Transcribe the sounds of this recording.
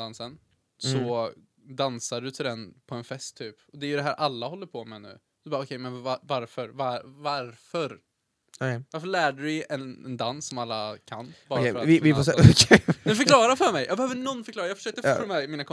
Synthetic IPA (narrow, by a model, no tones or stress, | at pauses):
ansən | sɔ | d̪ansaɖɵt̪ʰɪld̪ɛnpʰɔɛnfɛst̪ʰːyːpɔd̪ɛæɾjɵd̪ɛɦæːɾʔalːahɦɔlːəɾpʰɔmɛnʉ̟̰ː | d̪ɵbɑːɔkʰɛjmɛnvavaɾfœɾvaɾvaɾfœɾ | vaɾfəɭæːɖʉɪɛnɛnd̪ansːɔmalːa̰kʰa̰nbɑːafɾaɪvɪfɔskʰɛfœɾkʰlɑːɾafœɾmɛjɑ̰ːɡbɛhœːvəɳɔnːfœɾklɑːɾajɑːɡfœ̥ʂøːkt̪əffmɛmiːnakʰɔ